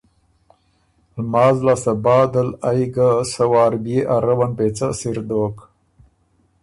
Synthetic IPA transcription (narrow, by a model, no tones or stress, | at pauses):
lmaːzlasəbaːd̪əlajɡasɐwaːɾbijeʔaɾɐwanpet͡səsiɾd̪oːk